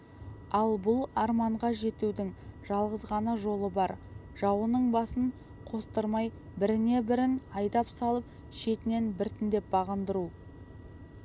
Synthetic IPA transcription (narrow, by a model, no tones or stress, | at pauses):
ɑlˠbʊlˠɑɾmɑɴʁɑʒe̞t̪ud̪ɪŋʒ̥ɑlˠʁəzʁɑnəʒo̞lˠəbɑɾ | ʒ̥ɑwənəɴbɑsəɴ | qʰo̞st̪əɾmɑjbɪɾɪne̞bɪɾɪnɑjd̪ɑpsɑlˠəp̚ | ʃe̞t̪ɪne̞nbɪɾt̪ɪnd̪e̞p̚bɑʁənd̪əɾu